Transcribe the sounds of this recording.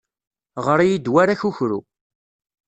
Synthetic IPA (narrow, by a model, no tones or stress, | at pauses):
ʁəɾijid̪waɾaçuçɾṵ